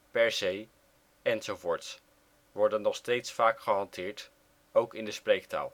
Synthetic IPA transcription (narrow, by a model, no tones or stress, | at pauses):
pɛɹzej | ɛnzowvʊːɹts | ʋɔɹdənɔχstejtsfaːkχəɦɑntʰɪːɹt | owkɪndəsprejk̚ta̰ːlˠ